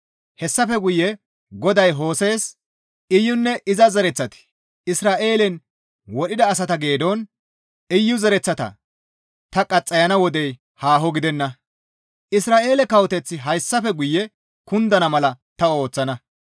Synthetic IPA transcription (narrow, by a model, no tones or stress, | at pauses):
hɛsːɐfɛɡʊjːɛ | ɡɔd̪ɐjɦo̞ːse̞ːs | ɪjːʊnːɛʔɪzɐzɐɾɛt͡sːɐt̪ɪ̥ | ɪsɾaːʔe̞ːlɛn | wɔɗɪd̪ɐːs̬ɐt̪ɐɡe̞ːd̪on | ɪjːʊzɐɾɛt͡sːɐt̪ɐ̰ | t̪ɐkʼɐt͡sʼːɐjɐnɐwɔd̪ɛj | haːɦɔɡɪd̪ɛnːɐ | ʔɪsɾaːʔe̞ːlɛkɐwɔt̪ɛt͡sːɪɦɐjsːɐfɛɡʊjːɛ | kʊnd̪ɐnɐmɐlɐt̪ɐo̞ːt͡sːɐnɐ